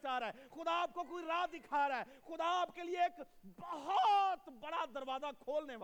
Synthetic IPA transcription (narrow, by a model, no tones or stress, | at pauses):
t͡ʃaːɾaɦɛxʊd̪aːp̚kokoːiɾaːd̪̚d̪ɪkʰaːɾaɦɛxʊd̪aaːpkelieːk | bɐɦɔt̪bɐɽad̪ɐɾʋaːzakʰoːlnea